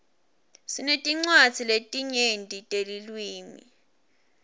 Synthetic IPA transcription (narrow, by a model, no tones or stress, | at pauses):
sinetʼiŋ͡ǀwad̥d͡zʰʱiletʼiɲendʱʼitʼelilwiːmḭ